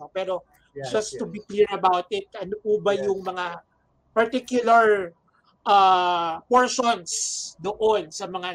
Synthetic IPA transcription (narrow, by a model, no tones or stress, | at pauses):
opɛːɾo̞ | d͡ʒɐst̪ʊbikliɹɐbawt̪ɪt̪̚ɐnopubɐjʊŋmɐŋa | pɐɹt̪ikjʊlɐɹ | ʔapoɹʃonsd̪oʔonsɐmɐŋa